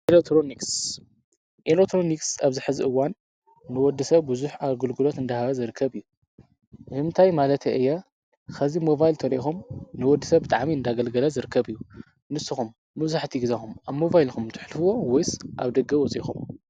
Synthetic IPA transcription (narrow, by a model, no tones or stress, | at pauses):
ʔelot̪ʰɾoniks | ʔelekt̪ʰɾoniksaβzɨħɨziʔɨwanː | ɨwɔd̪ːɨsɐβːɨzuħaɡɨlɡɨlo̞t̪ɨnd̪ɐhaβɐzɨɾɨkʰːɐβɨjːu | ʔɨhɨnt̪ʰajmalɐt̪eʔɨjːa | xʰɐzimovajlt̪ʰɐɾʔixumnɨwɔd̪ːɨsɐβbɨt̪ʼaʕmiɨnd̪aɡɐlɡɐlɐzɨɾɨkʰːɐβɨjːu | nɨsːɨxumːɐzaħt̪ʰiɡɨzɐxumaβmo̞vajlxumt̪ʰɨ̥ħlfɨwo̞wɔjsʔa̰βd̪ɐɡɐwɔt͡sʼḭxum